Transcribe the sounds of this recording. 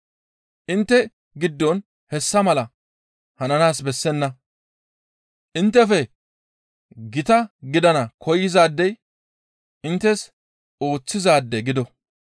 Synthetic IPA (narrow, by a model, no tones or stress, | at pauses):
ʔɪnt̪ːɛ | ɡɪd̪ːɔn | hɛsːɐmɐlɐ | hɐnɐnaːsbɛsːɛnːɐ | ʔɪnt̪ːɛfɛ | ɡɪt̪ɐɡɪd̪ɐnɐkʰɔjɪzaːd̪ːɛj | ʔɪnt̪ːɛs | o̞ːt͡sːɪzaːd̪ːɛɡɪd̪ɔ